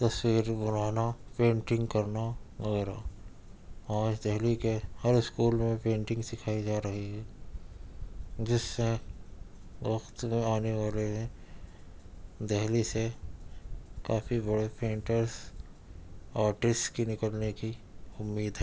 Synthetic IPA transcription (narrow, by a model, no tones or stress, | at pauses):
t̪ɐswiːɾbʊn̤aːnapẽːɳʈɪ̃ŋɡkɐɾnaʋɐɣɛːɾa | ãːt͡ʃd̪ɛɦlikehɐɾɪskuːlmẽpẽːɳʈɪ̃ŋɡsɪkʰaːid͡ʒaːɾɐɦiɦɛː | d͡ʒɪsmẽ | wɐxt̪mẽaːneʋaːleɦɛ̃ | d̪ɛɦlise | kaːfibɐɽepʰẽːɳʈəɾs | aːɾʈɪskinɪkəlnekiʊmːiːd̪ɦɛː